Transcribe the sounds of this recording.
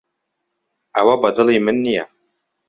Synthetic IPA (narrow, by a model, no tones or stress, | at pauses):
ʔawabɑd̪ɑlimɪnːija̰